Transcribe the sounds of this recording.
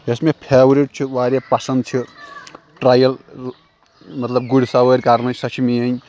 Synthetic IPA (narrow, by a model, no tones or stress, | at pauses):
esmepʰebɾiʈ̚t͡ʃʰuʋaɾepɐsɐnd̪̚t͡ʃʰu | ʈɾaːjɐl | mɐt̪lɐbɡuɽsawəɾʲkaɾnɐsɐt͡ʃʰimiɐj